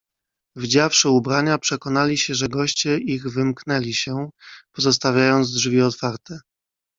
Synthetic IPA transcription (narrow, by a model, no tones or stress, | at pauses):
vd͡ʑafʂɘubɾaɲapʂɛkɔnalʲiɕɛʐɛɡɔɕt͡ɕɛʔiɣvɘmknɛlʲiɕɛpɔzɔst̪avʲjajɔnd̪zdʐvʲiɔt̪faɾt̪ɛ